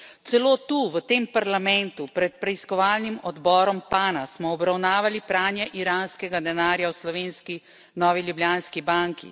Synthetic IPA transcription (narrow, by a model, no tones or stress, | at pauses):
t̪sɛloːt̪uːʋət̪eːmpaɾlamɛnt̪upɾɛt̪̚pɾɛiskɔʋaːlnimɔd̪bɔːɾɔmpaːnasmɔːbɾawnaːʋalipɾaːnjɛʔiɾaːnskɛɡad̪ɛnaːɾjawslɔʋeːnski | nɔːʋiljubljaːnskibaŋkḭ